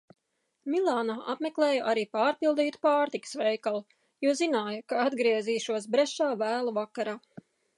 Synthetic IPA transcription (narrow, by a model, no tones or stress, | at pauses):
milˠaːnaːʔapmeklˠeːjɐʔaɾiːpaːɾpilˠd̪iːt̪u̥paːɾt̪ikə̥sʋejkalˠ | juzinaːjɐkaad̪ɡɾiɛziːʃuɔs̬bɾɛʃaːvæːlˠuvakaɾaː